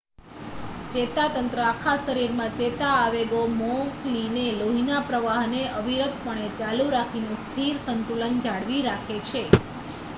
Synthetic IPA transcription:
t͡ʃet̪at̪ənt̪ɾəakʰaʃəɾiɾmãt͡ʃet̪aːʋeɡomoklineloɦinapɾəʋaɦneʔəʋiɾət̪pəɳ̃et͡ʃaluɾakʰinest̪ʰiɾsənt̪ulənd͡ʒaɽʋiɾakʰet͡ʃʰe

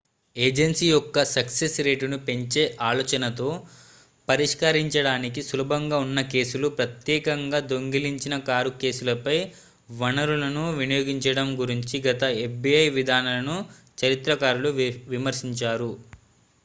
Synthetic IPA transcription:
eːd͡ʒensiːjɔkːɐsɐksesɾe̞ːʈunupe̞ɲt͡ʃe̞ːʔaːlɔːt͡ʃɐnɐt̪o̞ː | pɐɾiʂkɐɾiɲt͡ʃɐɽaːnikisulɐbʱɐŋɡaːunːɐke̞ːsulupɾɐt̪jɛːkɐŋɡaːd̪o̞ŋɡiliɲt͡ʃinɐkaːɾuke̞ːsulɐpɐj | ʋɐnɐɾulɐnuʋinijoːɡiɲt͡ʃɐɽɐmɡuɾiɲt͡ʃiɡɐt̪ɐefbiɐjʋid̪ʱaːnɐlɐnu | t͡ʃɐɾit̪ɾɐkaːɾuluʋimɐɾsiɲt͡ʃaːɾu

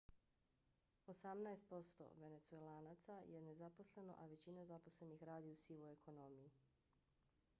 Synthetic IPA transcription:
o̞samnaest̪̚po̞st̪o̰ʋe̞ne̞t̪sue̞laːnat̪sajene̞zapo̞sle̞no̞̰ʔaʋe̞t͡ɕinazapo̞sle̞nixɾaːd̪iusiʋoe̞kʰo̞no̞miji

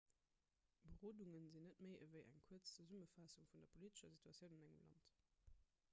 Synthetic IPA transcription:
bəʁoːduŋənzinːətməɪʔəvəɪʔæ̰ŋkʰuət͡st͡səzuməfɑsuŋfundɐpʰoliːtə̥ʃɐzitʰuɑt͡sjəʊnɑnæŋəmlɑ̰nt

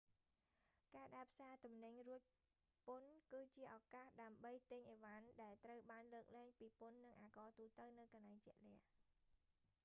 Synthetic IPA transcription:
kaːɗaɛpʰsaːt̪umnɨɲruəc̚ | pʊnkɨːt͡ɕiəʔɑkaːhɗaəmɓəjt̪ɨɲʔeːʋanɗaɛlt̪rəwɓaːnləːk̚lɛːŋpiːpunːɨŋʔaːkɑːt̪uːt̪əwnɨwkɑnlaɛŋt͡ɕɛ̆əʔlɛ̆əh

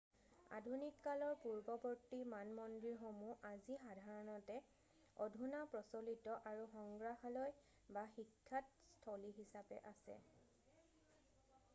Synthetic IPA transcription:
a̰dʱunikːalɔɹpuɹbɔbɔɹtimanmɔndɹiɹxomuʔazixadʱaɹɔnɔtɛ | ɔdʱunapɹɔsolitɔʔaɹuxɔŋɡɹaxalɔj | baxikʰːat | stʰɔliɦisapɛ̰ʔasɛ̰

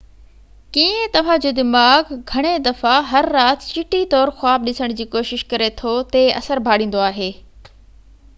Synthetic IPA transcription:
kiẽt̪ɐʋ̤ãd͡ʑoːd̪ɪmaːɡɡʱɐɽ̃ed̪ɐfaɦɐɾːaːt̪t͡ɕɪʈit̪ɔːɾxʊaːb̚ɗɪsəɽ̃d͡ʑiːkoːʃɪʃkɐɾet̪ʰot̪eɐ̰səɾbʱaːɽĩːn̆d̪oaːɦeː

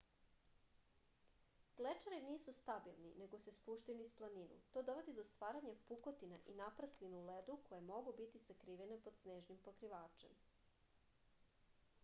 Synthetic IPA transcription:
ɡ̥let͡ʂaɾiniːsust̪abilˠnḭne̞ɡo̞se̞spuʃt̪ajunisplˠaninṵt̪o̞ːd̪o̞ʋo̞d̪id̪o̞st̪ʋaːɾaɲapukot̪inaʔinapɾaslinuuled̪uko̞jemo̞ɡubit̪isakɾiːʋenepo̞d̪sneːʒnimpo̞kɾiʋaːt͡ʃe̞̰m

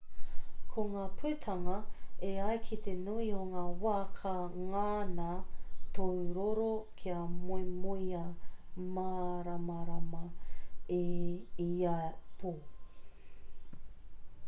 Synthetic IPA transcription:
kʰoŋaːpʰʉːtʰɐŋɐeɐjkʰit̪ʰenuioŋaːwaːkʰɐŋaːnɐtʰowɾoɾokʰiɐmujmujɐmaɾamɐɾɐmɐeiapʰu

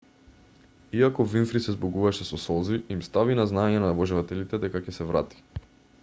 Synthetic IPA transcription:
iakɔvinfɾisɛzbɔɡuvaʃɛsɔsɔziimst̪avinaznaɛɲɛnavɔʒɛvat̪ɛlit̪ɛd̪ɛkacɛsɛvɾa̰t̪i̥

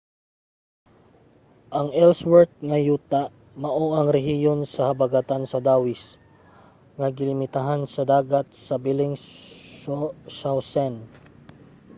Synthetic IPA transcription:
ʔɐŋʔɛlswɛɹt̪̚ŋɐjuːt̪a | mɐʔoʔɐŋɾɛɦijonsɐhɐbɐɡat̪ansɐd̪aːwɪs | ŋɐɡɪlɪmɪt̪aɦansɐd̪aːɡat̪̚sɐbilɪŋ | osawsɛn

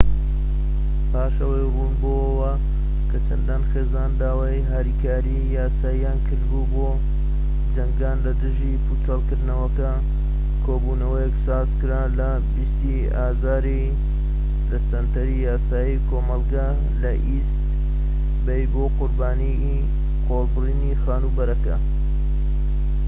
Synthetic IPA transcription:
pʰaːʃɐwɐjruːnboːəwɐ | kʰɐt͡ʃʰɐnd̪aːnxeːzaːnd̪aːwaːjɦaːɾiːkaːɾijaːsaːijaːnkʰɨɾd̪buboː | d͡ʒɐŋɡaːnlɐd̪ɨʒipʰut͡sɐlˠkɨɾd̪nɐwɐkɐ | kʰoːbuːnɐwɐjɛksaːzkɨɾaːlɐ | bist̪i | aːzaːɾi | d̪ɐsɐnt̪ʰɐɾijaːsaːjikʰoːmɐlˠɡa | lɐʔist̪ | bejboːqʊɾbaːni | qʰolbɨriːnixaːnubɐɾɐkɐ

